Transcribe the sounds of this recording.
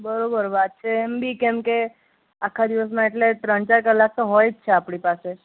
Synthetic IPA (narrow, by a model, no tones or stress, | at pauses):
bəɾobəɾʋat̪̚t͡ʃʰeːmbʱikemke | akʰːad̪iʋəs̬mãeʈleʈɾəɳt͡ʃaɾkəlːak̚t̪oɦojt͡ʃʰeapɽipase